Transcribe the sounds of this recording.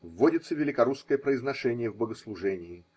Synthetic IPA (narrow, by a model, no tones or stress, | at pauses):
vːodʲɪt̪səvʲɪlʲɪkɐɾuskəjəpɾəɪznɐʂɛnʲɪjəvbəɡəslˠʊʐɛnʲɪː